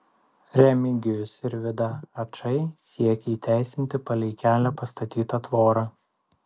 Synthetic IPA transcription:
ɾʲɛmʲɪɡʲɪjʊsɪɾʋʲɪd̪ɐɐt͡ʃɐɪsʲiɛkʲɛiːt̪ʲæˑɪsʲɪnʲt̪ʲɪpɐlʲɛɪkʲæːlʲæpɐst̪ɐt̪ʲiːt̪ɐt̪ʋoːɾɑː

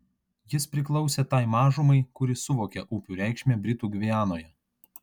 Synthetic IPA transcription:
jɪspʲɾʲɪklˠɒʊsʲet̪ɐˑɪmɑːʒʊmɐɪkʊɾʲɪsʊʋoːkʲɛʔuːpʲuːɾʲɛˑɪkʃʲmʲeːbʲɾʲɪt̪uːɡʲʋʲiæːnoːjɛ

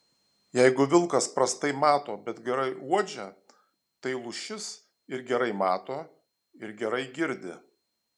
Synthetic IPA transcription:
jɛɪɡʊʋʲɪlˠkɐspɾɐst̪ɐɪmɑːt̪oːbʲɛt̪ɡʲɛɾɐɪʔuɔd͡ʒʲɛ | t̪ɐɪlˠʊʃʲɪs | ɪɾɡʲɛɾɐɪmɑːt̪oː | ɪɾɡʲɛɾɐɪɡʲɪɾʲd̪ʲɪ

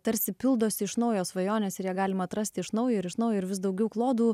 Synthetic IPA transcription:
t̪ɐɾʲsʲɪpʲɪlˠd̪oːsʲɪɪʃnɐʊjoːsʋɐjoːnʲeːsɪɾjɛɡɑːlʲɪmɐːt̪ɾɐsʲt̪ʲɪɪʃnɐʊjoːɪɾɪʃnɐʊjoːɪɾʋʲɪsd̪ɐʊɡʲɛʊklˠoːd̪uː

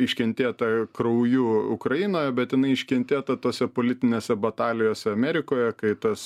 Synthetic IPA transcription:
ɪʃʲkʲɛnʲt̪ʲeːt̪ɐkɾɐʊjuːʊkɾɐɪnoːjɛbʲɛt̪jɪnɐɪɪʃʲkʲɛnʲt̪ʲeːt̪ɐt̪oːsʲɛpoːlʲɪt̪ʲɪnʲeːsʲɛbɐt̪ɑːlʲɪjoːsʲɛɐmʲɛɾʲɪkoːjɛkɐɪt̪ɐs

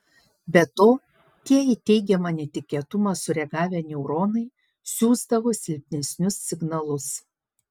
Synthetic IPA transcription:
bʲɛt̪oː | t̪ʲiɛɪt̪ʲɛɪɡʲɛmɐnʲɛt̪ʲɪkʲeːt̪ʊmɑsʊɾʲɛɡɑːʋʲɛːnʲɛʊɾoːnɐɪ | sʲuːzd̪ɐʋoːsʲɪlʲpʲnʲɛsʲnʲʊsːʲɪɡnɐlˠʊs

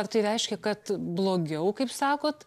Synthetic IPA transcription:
ɐɾt̪ɐɪɾʲɛɪʃʲkʲɛkɐt̪blˠoːɡʲɛʊkɐɪpsɑːkoːt̪

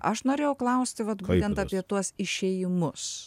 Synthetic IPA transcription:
ʔɐ̰ʃnoːɾʲeːjɛʊklˠɐʊsʲt̪ʲɪʋɐt̪bːt̪ʲɛnt̪ɑpʲiɛt̪uɔsɪʃʲeːjɪmʊs

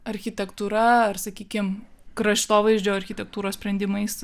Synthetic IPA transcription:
ɐɾʲxʲɪt̪ʲɛkt̪uɾɐɐrsɐkʲiːkʲɪmkɾɐʃʲt̪oːʋɐɪʒʲd͡ʒʲoːɐɾʲxʲɪt̪ʲɛk̚t̪uːɾoːsʲpʲɾʲɛnd̪ʲɪmɐɪs

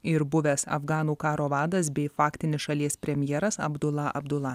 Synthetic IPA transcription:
ɪɾbʊʋʲɛsɐ̰fɡɑːnuːkɑːɾoːʋɑːd̪ɐs̬bʲɛɪfɑːkʲt̪ʲɪnʲɪsʃɐlʲiɛspʲɾʲɛmʲjɛːɾɐsɐ̰bd̪ʊlˠɐʔɐ̰bd̪ʊlˠɑ

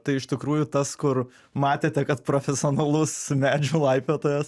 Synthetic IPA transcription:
t̪ɐɪɪʃt̪ʲɪkɾuːjut̪ɐskʊr | mɑːt̪ʲeːt̪ʲɛkɐt̪pɾofʲɛsʲɪoːnɐlˠʊsmʲæːd͡ʒʲuːlˠɐɪpʲʋʲeːt̪oːjɛs

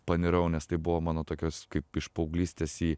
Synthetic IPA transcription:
pɐnʲɪɾɐʊnʲɛst̪ɐɪbʊʋoːmɑːnoːt̪oːkʲoːskɐɪpɪʃpɐʊɡlʲiːsʲt̪ʲeːsiː

